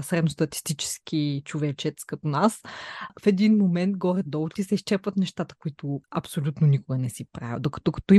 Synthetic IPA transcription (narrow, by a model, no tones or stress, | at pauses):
sɾɛd̪nost̪ɐt̪i̥st̪it͡ʃɛ̥sk̟it͡ʃovɛt͡ʃɛt̪skɐt̪onasfɛd̪inmomɛnt̪ɡɔɾɛd̪ɔlˠt̪isɛiʃt͡ʃɛɾpvət̪nɛʃt̪at̪ə̥koit̪ʊɐpsolʲut̪nonikʊɡɐnɛsipɾa̰vʲə̰d̪okɐ̥t̪okɐ̥t̪ɔi